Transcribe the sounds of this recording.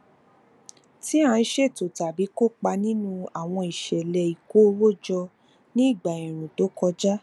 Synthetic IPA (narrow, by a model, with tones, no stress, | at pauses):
ti˦ã˧˦ʃe˦˨to˨ta˨bi˨˦ko˦˨k͡pa˧nĩ˦nũ˦a˨w̃ɔ̃˧i˨ʃɛ˨lɛ˧i˨ko˨˦wo˦˨d͡ʒɔ˧ | nĩ˦i˦˨ɡ͡ba˨ĩ˨ɾ̃ũ˨do˨˦kɔ˧d͡ʒa˦